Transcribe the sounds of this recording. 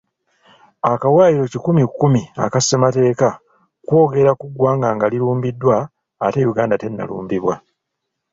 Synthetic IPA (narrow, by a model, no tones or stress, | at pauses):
akawaːjiɾo̞cikumikːumia̰kasemate̞ːka | kwo̞ːɡe̞ɾakuɡwaːŋɡaŋɡaliɾuːmbidːwaː | tejuɡaːndate̞nːa̰lṵːmbiβwa